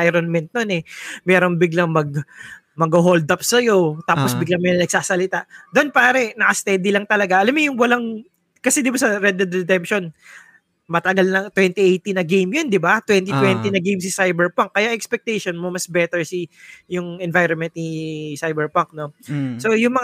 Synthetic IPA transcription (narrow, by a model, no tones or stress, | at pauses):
ajɾonmɛnt̪̚nonɛmɛːɾoŋbɪɡlaŋmɐɡ̚ | mɐɡhoɦold̪apsɐjo̞t̪aːposbɪɡlaŋmɛjonɐɡ̚saːsɐlɪt̪aʔd̪onpaːɾɛnɐkɐst̪ɛːd̪ɪlɐŋt̪ɐlɐɡaʔɐlamːojʊŋwɐlaŋ | kɐsɛd̪ɪbasɐɾɛd̪ɛd̪ɾɛd̪ɛmpʃo̞n | mɐt̪ɐɡalnɐt̪wɛnt̪iʔejt̪inɐɡejmjond̪ɪbat̪wɛnt̪it̪wɛnt̪inɐɡejms̬ɪsajbɛɹpaŋkːɐjaʔɛkspɛk̚t̪ejʃonmomɐsbɛt̪ɛɹsijʊŋɛnvajɾonmɛnt̪nisajbɛɹpɐŋk̚no̞sojʊŋmɐ